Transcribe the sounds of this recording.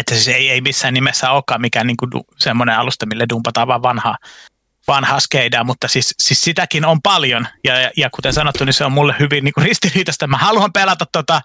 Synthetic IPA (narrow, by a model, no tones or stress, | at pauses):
et̪ːæsiseieimisːæːnnimesːæoːkːɑːmikæːnniːŋkudṵsemːoneɑlust̪ɑmilːedumpɑt̪ɑːʋʋɑːʋʋɑnhɑ | ʋɑnhɑskeidɑːmut̪ːɑsississit̪ækinompɑljonjɑjɑkut̪ensɑnot̪ːuniseommulːehhyʋinniːkurist̪iriːt̪ɑst̪æmæhɑluɑmpelɑt̪ɑt̪t̪ot̪ɑ